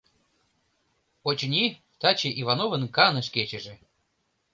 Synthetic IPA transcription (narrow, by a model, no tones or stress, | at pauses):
ot͡ɕnʲi | t̪ɑt͡ɕeʔivɑnovə̆nkɑnə̆ʃ̬ket͡ɕĕʒĕ